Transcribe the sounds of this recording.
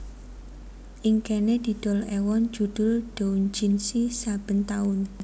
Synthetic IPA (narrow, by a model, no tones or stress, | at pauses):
ʔiŋkened̪̥i̤d̪̥ɔ̤lɛwɔnd͡ʒ̥ud̪̥ʊ̤lɖ̥ond͡ʒinsisab̥ə̤nt̪aʊn